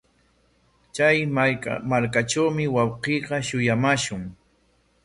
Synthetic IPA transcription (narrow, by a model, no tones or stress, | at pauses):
t͡ʃajmaɾkaʈ͡ʂawmɪwɑwqiːqɑʃʊjamaʃʊŋ